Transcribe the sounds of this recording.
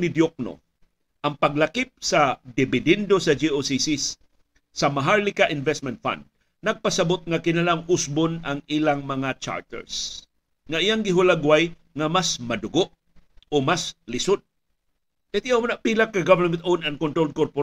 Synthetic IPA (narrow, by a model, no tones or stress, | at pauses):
nɪd̪jok̚no̰ | ʔɐŋpaɡ̚lakɪp̚sad̪ɪbɪd̪ɛnd̪osɐd͡ʒiosisisː | ɐmaɦaɹlɪkaʔɪnvɛst̪mɛnt̪̚fã̰nd̪̚ | nɐɡ̚pasabʊt̪̚ŋakɪnalaŋʊsbʊnaŋilaŋmɐŋat͡ʃa̰ɹt̪ɛ̰ɹs | ŋaijaŋɡɪɦʊlaɡwaj | ŋamasmɐd̪ʊɡoʔ | omaslɪsʊd̪̚ | ɐt̪ɪʔawmanapilakːaɡavɛnmɛ̃nt̪ownankont̪ɾold̚koɾpo